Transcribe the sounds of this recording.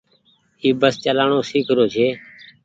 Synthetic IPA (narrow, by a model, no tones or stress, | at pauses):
iːbəst͡ʃəlaːɳoːsiːkʰɾoːt͡ʃʰeː